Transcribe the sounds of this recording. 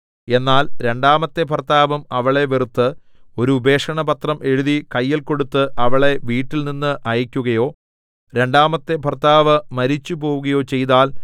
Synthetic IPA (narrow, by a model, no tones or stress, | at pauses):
e̞nːaːlɾe̞ɳɖaːmɐt̪ːe̞pɐrt̪aːʋɐmɐʋɐɭe̞ʋerut̪ːɨ | o̞ɾuːbe̞ːkʂɐɳɐpɐt̪rɐmʔe̞ɻuðikɐjːilko̞ɽut̪ːɨʔɐʋɐɭe̞ʋiːʈːilninːɨʔɐjɐkʲːuɣɐjo̞ː | ɾe̞ɳɖaːmɐt̪ːe̞pɐrt̪ːaːʋɐmɐɾit͡ɕːupo̞ːʋuɣɐjo̞ːt͡ɕe̞jt̪aːl